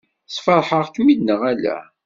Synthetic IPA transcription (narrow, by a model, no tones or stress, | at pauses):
sfəɾˤħəʁkmid̪nəʁælæ̰